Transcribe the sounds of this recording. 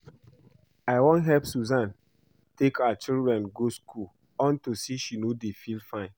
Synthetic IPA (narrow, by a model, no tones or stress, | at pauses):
aɪwõnɦɛlpsuzãn | tekaat͡ʃildɹɛ̃nɡoskʰul | ɔ̃ntusiʃinodefilfãɪ̃n